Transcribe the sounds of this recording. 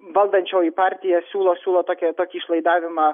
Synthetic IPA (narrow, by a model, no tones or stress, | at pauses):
ʋɐlˠd̪ɐnʲt͡ʃʲɛʊipɑːɾʲt̪ʲɪjɛsʲuːlˠoːsʲuːlˠoːt̪oːkʲɛt̪oːkʲiːɪʃlˠɐɪd̪ɑːʋʲɪmɑː